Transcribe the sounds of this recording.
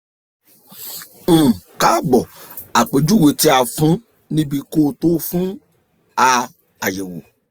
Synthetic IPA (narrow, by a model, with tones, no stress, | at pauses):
ka˦ɡ͡bɔ˨ | a˨k͡pe˨d͡ʒu˦we˧ti˦a˧fũ˨˦ | nĩ˦bi˧ko˦˨to˦fũ˦ | a˧ | a˨je˨wo̰˨